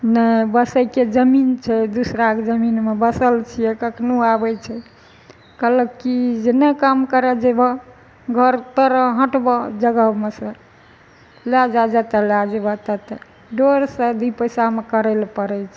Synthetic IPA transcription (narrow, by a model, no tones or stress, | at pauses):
nəbəsəjked͡ʒəmint͡ʃʰɛd̪usɾakd͡ʒəminmebəsəlt͡ʃʰijɛkəkʰnuabɛt͡ʃʰɛ | kələkːid͡ʒenɛkamkəɾɛd͡ʒebə | ɡʱəɾt̪əɾəɦə̃ʈbɔd͡ʒəɡəmesə̃ | lad͡ʒad͡ʒət̪əlad͡ʒebat̪ət̪ə | ɖoɾsə̃d̪ʱipəjsamekəɾɛlpəɾɛt͡ʃʰ